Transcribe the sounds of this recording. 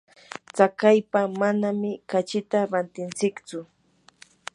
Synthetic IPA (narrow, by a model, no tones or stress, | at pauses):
t͡sakajpamanamɪkat͡ʃɪt̪aɾant̪ɪnt͡sɪkt͡sʊ